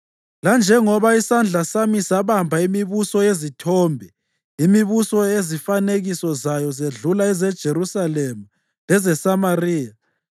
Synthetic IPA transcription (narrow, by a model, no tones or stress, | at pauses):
land͡ʒʱɛŋɔβaisand͡ɮʱasamisaβambʱaimiβusɔezitʰɔːmbʱɛ | imiβusɔezifaneɣisɔzajɔzeɮulaɛzɛd̥ʒ̥ʱeɾrusalɛmu | lɛzɛsamariːja